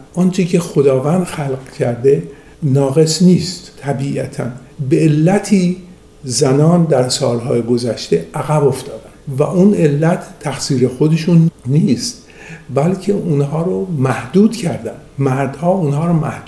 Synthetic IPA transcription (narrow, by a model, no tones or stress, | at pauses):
ʔɒnt͡ʃʰicʰe̞xod̪ɒːvænd̪xælɢcʰæɾd̪e̞ | nɒːɣe̞sniːst̪t̪ʰːæbiːʔæt̪ʰæ̰n | beelːæt̪ʰiː | zænɒːnd̪æɾsɒ̰ːlɦɒːjeɡozæʃt̪e̞æɣæbo̞ft̪ɒːd̪ænvæʔune̞lːæt̪ʰːæxsiːɾe̞xo̞d̪e̞ʃunniːst̪ | bælcʰe̞ʔunhɒːɾomæhd̪uːd̪cʰæɾd̪ændmæɾd̪̥hɒːuːnɦɒːɾomæ̰h̪